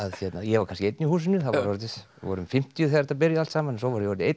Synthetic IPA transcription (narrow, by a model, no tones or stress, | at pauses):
aðçjɛt̪najɛvaɾkʰanscɪejt̪nihuːs̬ɪnʏθaɔɾɔɾt̪ːɪs | vɔɾʏmfɪm̥t̪ijʏθjaɾt̪apɪɾjaal̥t̪saːmanɛnsɔwvɔɾjɛɔɾt̪ejt̪